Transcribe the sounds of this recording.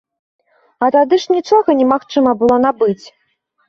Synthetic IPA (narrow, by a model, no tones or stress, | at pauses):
ɐt̪ad̪ɨʂnʲit͡ʂɔɣɐnʲɛmaxt͡ʂɨmɐbɨlˠɔn̪abɨt͡sʲ